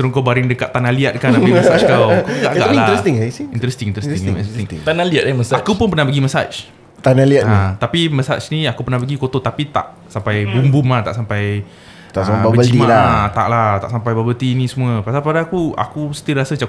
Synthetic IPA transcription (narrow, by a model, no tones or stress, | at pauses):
səɾuŋkawbaɾɪŋdəkat̪t̪ːanaliat̪̚kanaiməsat͡ʃkawkɡaʔɡa̰ʔlat̪iŋint̪əɾɛst̪iŋint̪əɾɛstɛɪsŋɪŋt̪analiat̪̚məsakupʊnpərnahpəɡiməsa̰t͡ʃ | t̪analiat̪nit̪apiməsa̰t͡ʃniakupərnahpəɡikot̪ot̪apit̪a̰ʔ | sampajbumbumlat̪a̰ʔsampaj̪ | aababəəld͡ʒidimalat̪a̰ʔlat̪a̰ʔsampajbabəlt̪iːnĩsəmuəpasalpadakua̰kusə̥t̪iəɾasət͡ʃa